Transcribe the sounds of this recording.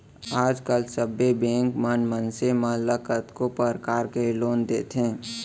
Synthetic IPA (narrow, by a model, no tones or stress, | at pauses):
aːd͡ʒkəlsəbːebẽːŋkmənmənsemãləkət̪kopəɾkaːɾkeloːnd̪eːt̪ɦẽː